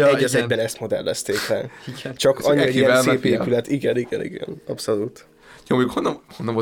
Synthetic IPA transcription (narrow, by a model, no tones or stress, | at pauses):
ɛɟːɛzɛɡbɛnɛst̪mo̞d̪ɛ̰lːɛ̰st̪eːklɛ̰t͡ʃɒkɒɲːiɒijɛnsːpeːylɛt̪iɡɛniɡɛnḭɡɛ̰nɒpso̞lut̪ | joːmoukhonːɒhonːɒmo